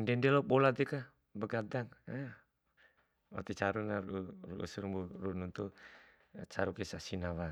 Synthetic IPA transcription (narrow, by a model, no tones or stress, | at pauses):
ndɛndɛlobolat̪ɛka | bəɡad̪aŋa | a̰t̪it͡ʃaɾunaɾuruṵsuɾburununt̪u | t͡ʃaɾukesasinaβa